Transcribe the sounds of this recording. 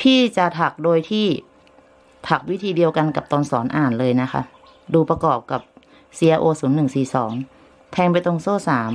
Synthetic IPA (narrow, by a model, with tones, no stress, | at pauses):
t̪ʰiː˧˥˩t͡ɕa˨˩t̪ʰa˨˩k̚doː˧jt̪ʰiː˥˩ | t̪ʰa˨˩k̚wi˦˥t̪ʰiː˧di˧əwka˧nka˨˩p̚t̪ɔː˧nsɔː˩˦nʔaː˨˩nlɤː˧jna˦˥kʰa̰˦˥ | duː˧pa˧kɔː˨˩p̚ka˨˩p̚ | siː˧a˧ʔoː˧suː˩˦nːɯ˨˩ŋsiː˨˩sɔː˩˦ŋ | t̪ʰɛː˧ŋpa˧jt̪ɔ˧˨ŋsoː˥˩saː˩˦m